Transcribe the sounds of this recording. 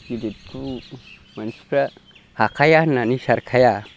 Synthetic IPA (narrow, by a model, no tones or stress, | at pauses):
ɡiditu | mansi̥pɾa | hakajananiʃaɾkʰaja